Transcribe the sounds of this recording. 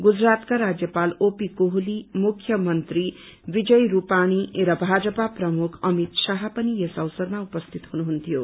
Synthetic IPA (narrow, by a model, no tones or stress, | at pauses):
ɡud͡zrat̪kaɾad͡zjʌpalopikoɦulimukʰjʌmʌnt̪ri | bid͡zʌjɾupañirʌbʱad͡zʌpaprʌmukʰʌmit̪saɦʌpʌniesʌwsʌrmaupʌst̪ʰit̪ɦunuɦunt̪ʰijo